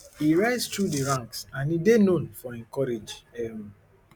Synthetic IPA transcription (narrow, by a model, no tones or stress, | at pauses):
iɹaɪstɹudiɹãŋksãnidenõnfɔɛ̃nkɔɹed͡ʒɛ